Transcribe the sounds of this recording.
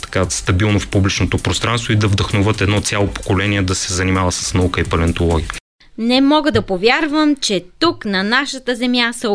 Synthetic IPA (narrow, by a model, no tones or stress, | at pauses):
t̪ɐ̥kast̪ɐbilˠnofpublit͡ʃnot̪opɾost̪ɾanst̪void̪ɐvd̪əxnovɤt̪ɛd̪nɔt̪sʲalˠopo̥kolɛniɛd̪ɐsɛzɐnimavəsə̥snɐukəipɐlɛnt̪olˠɔɡʲiə | nɛmɔɡəd̪ɐpovʲjaɾvəmt͡ʃɛt̪uknɐnaʃət̪əzɛmjasɐ